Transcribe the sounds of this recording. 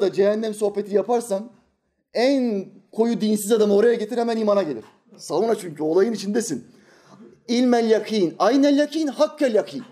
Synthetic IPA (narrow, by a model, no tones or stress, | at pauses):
d̪ad͡ʒeɦɛnːʲɛmso̞hpe̞t̪ʰijapʰaɾsam | ænkʰo̞jud̪insizad̪amɯo̞ɾajaɟet̪iɾhɛmæniːmanaɟe̞lʲiɾ̥ | savunat͡ʃʰyɲcyo̞lˠajɯnit͡ʃʰind̪esin | ilʲmælʲjakʰiːnajnɛlʲjakʰiːnhakʰːɛlʲjakʰiːn